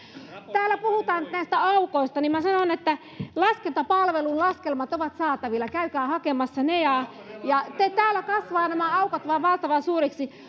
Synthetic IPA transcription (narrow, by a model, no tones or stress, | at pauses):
t̪æːlːæpuhut̪ɑːnyt̪næist̪æɑukoist̪ɑnimmæsɑnonet̪ːæ | lɑskelt̪ɑpɑlʋelunlɑskelmɑt̪oʋɑt̪sɑːt̪ɑʋilːɑkæykæːhɑkemɑsːɑnejɑ | jɑt̪æt̪æːlækɑsʋɑːnæmæɑukɑt̪ʋɑːʋʋɑlt̪ɑʋɑsuːriksi